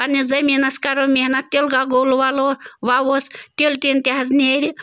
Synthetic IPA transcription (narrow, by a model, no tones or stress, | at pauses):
anʲizɐmʲinaskaɾomʲihnat̪ʲelɡaɡoluʋaloʋawost̪ʲelʲt̪ʲint̪ʲaɦaznʲeɾʲi